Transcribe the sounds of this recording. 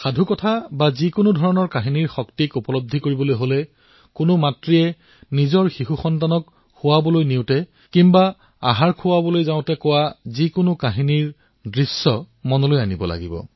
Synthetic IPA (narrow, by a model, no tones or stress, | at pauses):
xadʱukɔtʰabazikʊnʊdʱɔɹɔnɔɹkaɦiniɹxɔktikupɔlɔb̚dʱikoɹibɔlojɦolɛ | kʊnʊmatɹiɛ | nizɔɹxixuxɔntanɔk | hʊwabɔlojniʊtɛ | kimba | a̰ɦaɹkʰʊwabɔlojzaʊ̃tɛkʊwazikʊnʊkaɦiniɹ | dɹisːɔ | mɔnɔlojanibɔ̰la̰ɡḭbɔ̰